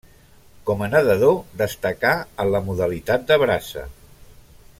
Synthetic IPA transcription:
kɔmənəðəðod̪əst̪əkaələmuðəlit̪at̪̚d̪əβɾasə̰

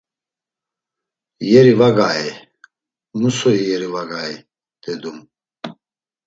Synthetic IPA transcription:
jɛɾivaɡaːɛ | musɔijɛɾivaɡaːɛ | d̪̥ɛd̪um

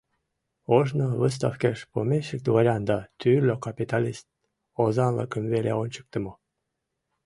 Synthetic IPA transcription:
oʒnoβəs̬t̪ɑfkeʃpomʲeʃək̚d̪vɑɾʲɑnd̪ɑt̪yrlʲokɑpʲit̪ɑlʲist̪̚ | ozɑlə̰kəmvelḛonʲt͡ɕə̥k̚t̪ə̆mo

